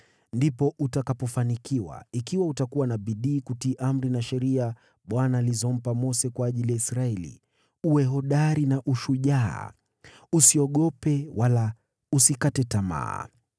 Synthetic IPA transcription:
ndipɔʔutakapɔfanikiwa̰ikiwautakuwanaɓiɗiːkutiːʔam̩ɾinaʃɛɾia | ɓwanaːlizɔm̩pamɔsɛkwaːʄilijaisɾaɛlḭ | uwɛɦɔɗaɾinaʔuʃuʄa̰ː | usiɔɠɔpɛwʔala | usikatɛtama̰ː

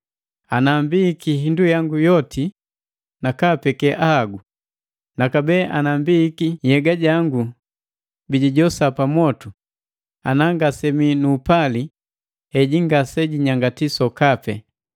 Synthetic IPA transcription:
anambikiɦindujaŋɡujɔtʰi | nakapɛkɛʔahaɡu | nakabɛːʔanambiːkijɛɡaɟaŋɡu | biɟiɟɔsapamɔtu | a̰naŋɡasɛminuːpali | ɛɟiŋɡasɛɟiɲaŋɡatisɔkapɛ

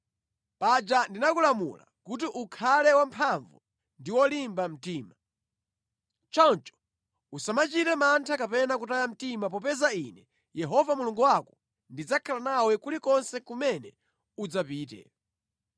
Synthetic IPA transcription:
pad͡ʒandinakulamṵla̰kut̬iʔukʰalɛwampʰaɱvṵ | ndiwɔlimbam̩tiːma | t͡ʃɔnt͡ʃɔ̥ | usamat͡ʃitɛmantʰakapɛnakutajam̩timap̬ɔp̬ɛzainɛ | jɛɦɔvamuluŋɡuwakɔ̥ | ndid͡zakʰalanawɛkulikɔnsɛkumɛnɛ | ud͡zapiːtɛ̰

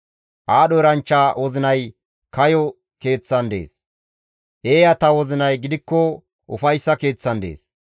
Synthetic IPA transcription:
ʔaːɗɔɾɐnt͡ʃːaːwɔzɪnɐj | kɐjɔ | ke̞ːt͡sːɐnd̪e̞̰ːs | ʔe̞ːjɐt̪ɐwɔzɪnɐjɡɪd̪ɪkːɔ | ʔʊfɐjsːɐke̞ːt͡sːɐnd̪e̞̰ːs

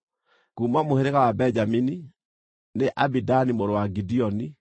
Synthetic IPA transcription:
kuːmamoheɾeɣawabɛɲd͡ʒamini | neʔabidanimoɾowaɡidiɔni

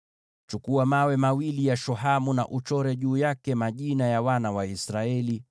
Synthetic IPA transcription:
t͡ʃukuamawɛmawilijaʃɔɦamuna̰ʔut͡ʃɔɾɛʄuːjakɛmaʄinajawanawaisɾaɛli

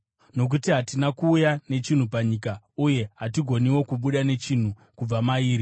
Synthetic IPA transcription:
no̞k̬utiɦatinakuːjane̞t͡ʃin̤upaɲiːka | uje̞ɦatiɡʱo̞niwo̞kuɓuɗane̞t͡ʃin̤u | kub͡vamaiːɾi

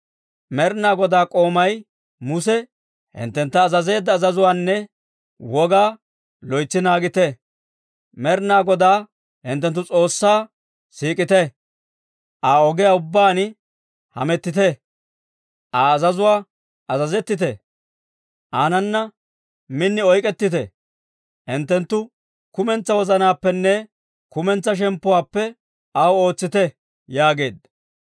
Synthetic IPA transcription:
mɛɾnaːɡɔd̪aːkʼo̞ːmɐj | mʊsɛ | hɪ̰nt̪ːɛnt̪ːɐːzɐze̞ːd̪ːɐːzɐzʊwaːnːɛ | wɔɡaː | lɔjt͡sːɪnaːɡɪt̪ɛ | mɛɾnaːɡɔd̪aː | hɪnt̪ːɛnt̪ːʊt͡sʼo̞ːsːaː | siːkʼɪt̪ɛ | ʔaːɔɡɛjaʊbːaːn | hɐ̰mɛt̪ːɪt̪ɛ | ʔaːzɐzʊwaː | ʔɐzɐzɛt̪ːɪt̪̬ɛ | ʔaːnɐnːɐ | mɪnːɪɔjkʼɛt̪ːɪt̪ɛ̰ | ɪnt̪ːɛnt̪ːʊ | kʊmɛnt͡sːɐwɔzɐnaːpːɛnːɛ | kʊmɛnt͡sːɐʃ̬ɛmpːʊwaːpːɛ | ɐwo̞ːt͡sːɪt̪ɛ | jaːɡe̞̰ːd̪

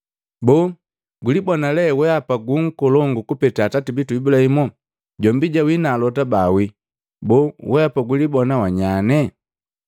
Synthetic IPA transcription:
bɔ | ɡulibɔnalɛwɛapaɡuŋ̩kɔlɔŋɡukupɛtaːtatibituibulahimɔ | ɟɔmbiɟawinaːlɔtabawi | bɔwɛapaɡulibɔnawaɲanɛ

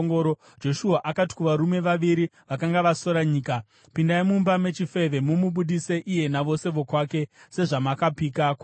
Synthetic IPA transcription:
ŋɡɾo | d͡ʒo̞ʃuaʔakati̥kuʋaɾume̞ʋaʋiɾi | ʋakaŋɡaʋaso̞ɾaɲiːka | pindaimumbame̞t͡ʃife̞ʋe̞mumuɓuɗise̞ʔije̞naʋo̞se̞ʋo̞kwaːke̞se̞ʐamakapiːkakwa

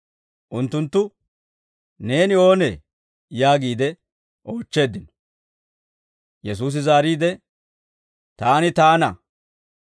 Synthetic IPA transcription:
ʔʊnt̪ːʊnt̪ːʊ | ne̞ːnɪo̞ːne | jaːɡiːd̪ɛ | ʔo̞ːt͡ʃːe̞ːd̪ːɪnɔ̥ | jɛs̬uːs̬ɪzaːɾiːd̪ɛ | t̪aːnɪt̪aːnɐ

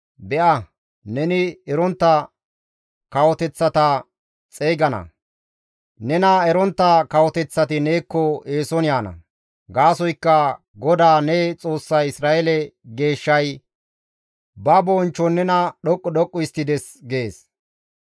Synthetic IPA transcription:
bɛʔɐ | nɛnɪɛɾɔnt̪ːɐ | kɐwɔt̪ɛt͡sːɐt̪ɐ | t͡sʼeːɡɐnɐ̰ | nɛnɐɛɾɔnt̪ːɐkɐwɔt̪ɛt͡sːɐt̪ɪne̞ːkːɔeːsɔnɪjaːnɐ̰ | ɡaːsɔjkːɐ | ɡɔd̪aːnɛt͡sʼo̞ːsːɐjɪsɾaːɛlɛɡe̞ːʃːɐj | bɐbɔːnt͡ʃːɔnːɛnɐɗɔkʼːɔɗɔkʼːʊɪst̪ːɪd̪ɛs | ɡeːs

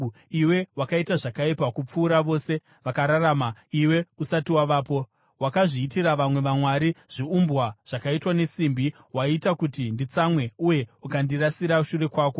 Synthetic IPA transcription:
iwe̞wakaitaʐakaipakup͡fuːɾaʋo̞ːse̞ | ʋakaɾaɾaːmaiwe̞usatiwaʋaːpo̞ | wakaʐiːtiɾaʋamwe̞ʋamwaɾiʐ̥iumbwaʐ̥akaitwane̞simbi | waitakutindit͡samwe̞uje̞ukandirasiɾauʃure̞kwaːko̞

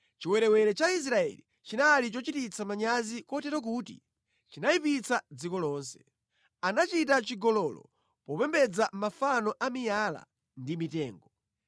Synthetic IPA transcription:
t͡ʃiwɛɾɛwɛɾɛt͡ʃais̬ɾaɛ̰li | t͡ʃinalit͡ʃɔt͡ʃitit͡sʰamaɲazikɔtɛɾɔk̬uːtḭ | t͡ʃinaipit͡sad͡zikɔlɔːnsɛ̥ | anat͡ʃitat͡ʃiɡɔlɔlɔ̰ | pɔpɛmbɛd͡zamafanɔʔamijala̰ | ndimitɛːŋɡɔ

